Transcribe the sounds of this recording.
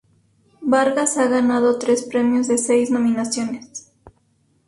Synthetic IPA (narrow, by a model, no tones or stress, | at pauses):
baɾɣasaɣanað̞o̞t̪ɾe̞spɾe̞mjozðe̞sejzno̞mĩnasjo̞nes